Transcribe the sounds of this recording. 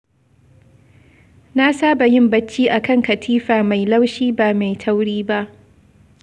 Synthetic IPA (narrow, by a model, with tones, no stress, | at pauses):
na˦saː˦ba˨jɪ˦mbɐ˦t͡ʃːiː˦ʔa˨kɐ˦˨ŋkɐ˨tʰiː˦ɸaː˨ma˨jla˦wʃiː˦baː˨ma˨jtʰa˦wɽiː˦ba˦ʔ